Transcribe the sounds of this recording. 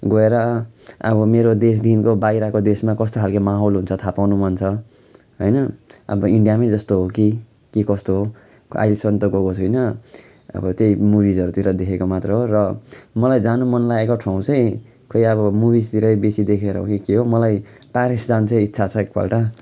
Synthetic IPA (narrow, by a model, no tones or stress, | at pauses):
ɡʌeɾʌʌ̰bʌmeɾod̪es̬d̪ʱinkobajɾakod̪esmakʌst̪oɦalkemaɦolɦunt͡sʰʌt̪ʰapawnumʌnt͡sʰʌ | ɦʌjnʌʌ̰bʌiɳɖijamajd͡zʌst̪oɦoki | kikʌst̪oɦo | a̰jlesʌnt̪ʌɡokot͡sʰʌjnʌ | ʌ̰bʌt̪jejmubid͡zʌɾut̪iɾʌd̪ekʰekomat̪reɦorʌmʌlajd͡zanumʌnlaekoʈʰaw̃t͡sʌj̃ | kʰʌjʌβʌmubist̪iɾʌjbesid̪ekʰeɾʌ̰ɦo̰kikiɦomʌlaj | paɾisd͡zanut͡sʰʌj̃itːsʰat͡sʰʌek̚bʰa̰lʈa